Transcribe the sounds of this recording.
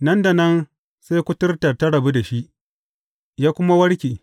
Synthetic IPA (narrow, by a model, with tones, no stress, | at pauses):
nɐ˦nda˨nɐ˦n | sa˦kʷʊ˦tɪ˦rta˨tɐ˦ɽɐ˨bu˦da˨ʃi˦ʔ | jaː˦kʷʊ˦ma˦wɐ˦ɽkʲiː˨